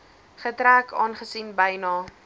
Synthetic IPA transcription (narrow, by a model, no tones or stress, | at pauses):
χətɾæːkʰɑːnχəsinbəjnɑː